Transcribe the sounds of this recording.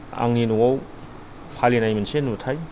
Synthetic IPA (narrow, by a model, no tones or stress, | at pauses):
a̰ŋinuwaw | pʰalinajmensenutʰaj